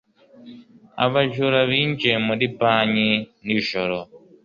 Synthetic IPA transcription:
a̰βaʒuɾaβind͡ʒemuɗipaɲiniʃɔɾɔ

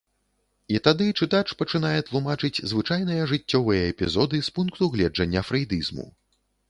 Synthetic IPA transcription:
it̪ad̪ɨt͡ʂɨt̪at͡ʂpɐt͡ʂɨnajɛt̪lˠumat͡ʂɨt͡sʲzvɨt͡ʂajn̪ɨjɐʐɨt͡sʲːɔvɨjɐɛpʲizɔd̪ɨspunkt̪uɣlʲɛd͡ʐɐnʲːɐfɾɐjd̪ɨzmṵ

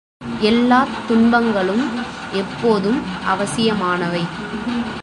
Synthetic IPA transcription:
ɛlːaːt̪ːʊɳbɐŋɡɐɭɯm | ɛpːoːðɯmʔɐʋɐsɪjɐmaːnɐʋɐɪ

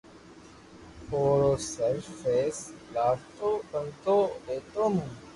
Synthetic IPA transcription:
oːɾoːsəʃfeːslaːɾt̪oːkənt̪oːɾeːt̪oːmũː

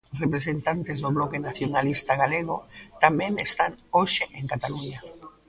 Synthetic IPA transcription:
osrepɾesent̪ant̪ezðoβlɔkenaθjonalist̪aɣ̞aleɣ̞ot̪amẽŋest̪anoʃeʔẽŋkat̪aluɲa

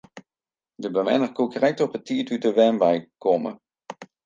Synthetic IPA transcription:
dəbəmɛ̰nərkukərɛk̚tɔpətːiətytəʋɛmbajkɔmə̰

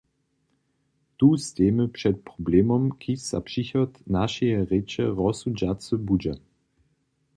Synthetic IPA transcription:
tuːsteːməpʂɛt̪̚pʁɔbleːmɔmkʰisa̰pʂiçɔtnaʃɛjɛʁet͡ʃɛʁɔsud͡ʒat͡səbud͡ʒɛ

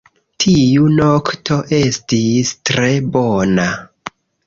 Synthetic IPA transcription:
tʰijuno̞ktʰo̞ʔe̞stistɾe̞bona

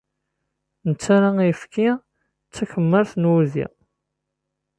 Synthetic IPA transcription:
nət͡sːaɾaifki | t͡sːækəmːəɾθnwuzḭ

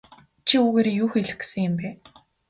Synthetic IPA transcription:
t͡ɕʰiuːɣeːɾejuːxeɮɘ̆xksɘ̆ŋjə̆mpæː

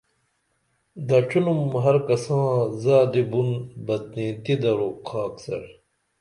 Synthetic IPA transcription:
d̪ɐt͡ɕʰunumɦɐɾkɐsãːzaːd̪ibunbɐt̪̚nĩːt̪id̪ɐɾuqʰaːksɐ̰ɾ

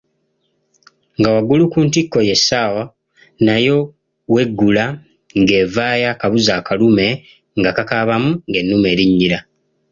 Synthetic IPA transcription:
ŋɡawaɡulukuːntikːoje̞saːwa | najo̞ | we̞ɡːula | ŋɡe̞ːvaːjakaβuzaːkalume̞ | ŋɡakakaβamuŋɡe̞nːume̞ːɾiɲːiɾa

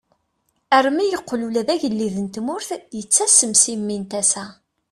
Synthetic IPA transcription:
ərmijəqːlulæðæʝəlːiðənt̪mʊɾθjət͡sːæsəmsimːint̪æsæ

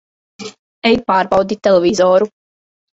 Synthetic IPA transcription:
ɛjpaːɾbɑwd̪it̪elevʲizɔːɾu

